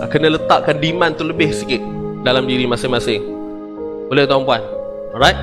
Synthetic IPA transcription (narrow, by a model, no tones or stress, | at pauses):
kənələt̪aʔ̚kandimant̪uləbɪhsikɪt̪̚dalamdiɾimasɪŋmasɪŋ | bolɛht̪ɔmpuan | ɔɾajt̚